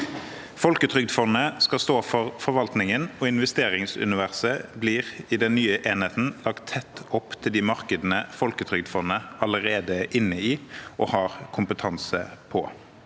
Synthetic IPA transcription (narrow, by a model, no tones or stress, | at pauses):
fɔlkət̪ʰʁʏɡ̚d̪fɔnːəskɑst̪oːfɔʁfɔɾʋɑlt̪nɪŋənɔɪnʋɛst̪eːʁɪŋsʉ̰nɪʋæʁsəbliːʁɪd̪ɛnnyːəʔeːnheːt̪n̩lɑkt̪ʰːɛt̪ːɔpːt̪ʰɪld̪ɪmɑʁkəd̪ənəfɔlkət̪ʰʁʏɡ̚d̪fɔnːəɑləʁeːd̪əʔɪnːəiːʔɔhɑːʁkʰʊmpət̪ʰɑnsə̰pʰɔ